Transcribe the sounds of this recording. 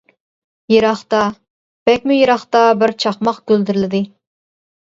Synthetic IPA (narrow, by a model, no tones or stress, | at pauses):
jeɾɑχt̪ɑ | b̥ɛk̚ʲmyjeɾɑχt̪ɑbɪɾt͡ʃʰɑχmɑqkʲøld̪ɪɾɪlɪd̪ɪ